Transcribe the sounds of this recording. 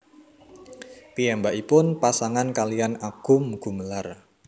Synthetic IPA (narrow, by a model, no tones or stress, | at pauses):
piɛmbaʔipʊnpasaŋankalianaɡ̥ʊ̤mɡ̥ṳməlar